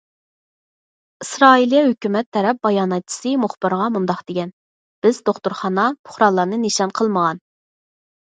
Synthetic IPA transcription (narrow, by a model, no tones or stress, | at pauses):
isɾɑːilˠijɛhøkʲymɛt̪ʰːɛɾɛp̚bɑjɑːnɛt̪̚t͡ʃʰi̥sɨmuχb̥ɨɾʁɑmund̪ɑqd̪eɡʲɛn | b̥ɪzd̪oχt̪uɾχɑnɑpʰʊ̥χɾɑnlˠːɑɾnɨneʃɑnqʰəlˠməʁɑn